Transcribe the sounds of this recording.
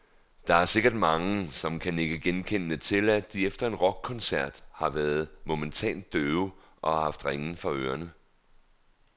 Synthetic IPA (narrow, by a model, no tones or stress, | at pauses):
d̥ɑ̈æɐse̝ɡ̥ɐd̥mɑ̈ŋəsɒ̽mkʰæne̝ɡ̥əɡ̥enkʰenːət͡sʰe̝læ̥d̥iefd̥ɐe̝nʁɒ̽ɡ̥̚kʰːɒ̽nsæɐ̰d̥hɑ̈ʋæːɐð̩ˠmo̝mənt͡sʰɛ̰ːnd̥ːøːʊ | ʔɒ̽hɑ̈hɑ̈fd̥ʁeŋn̩fɑ̈øːɐnə